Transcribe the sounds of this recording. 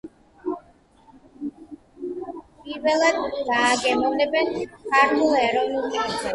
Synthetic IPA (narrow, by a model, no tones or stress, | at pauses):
pʼiɾvɛlˠad̪ɡaːɡɛmɔvnɛbɛnkʰaɾt̪ʰulˠɛɾɔvnulˠkʰasɛ